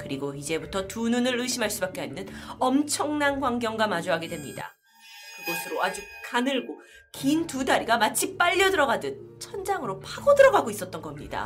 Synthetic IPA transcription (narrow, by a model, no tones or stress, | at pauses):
kɯɾiɡoid͡ʑe̞butʰʌtununɯɾɯɕʰimɦaɭs͈ubak͈eɦannːɯnʌmt͡ɕʰʌŋnanɡwaŋɡjʌŋɡwamad͡ʑuɦaɡe̞dwemɲḭda̰ | kɯɡʌsʰɯɾoad͡ʑik̚kanɯɭɡo | kintudaɾiɡamat͡ɕʰip͈aʎːʌdɯɾʌɡadɯnt͡ɕʰʌnd͡ʑaŋɯɾopʰaɡodɯɾʌɡaɡois͈ʌt̚t͈ʌnɡʌmɲḭda̰